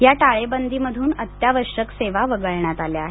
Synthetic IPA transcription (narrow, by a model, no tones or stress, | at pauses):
jaʈaɭebənd̪ʱiməd̪ʱuːnət̪jaʋəɾʂəkseʋaʋəɡəɭɳjat̪aljaɦe